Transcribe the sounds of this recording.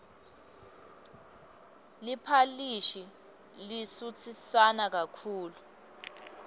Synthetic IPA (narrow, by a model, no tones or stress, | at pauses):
lipʰaliʃi | lisut͡sʰisanak̬akʰuːlu